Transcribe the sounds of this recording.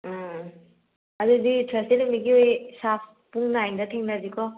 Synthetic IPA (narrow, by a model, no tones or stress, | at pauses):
aduditʰɾestenɯmiɡiojsap̚ʰ | puŋnajndɐtʰeŋnazikʰɔ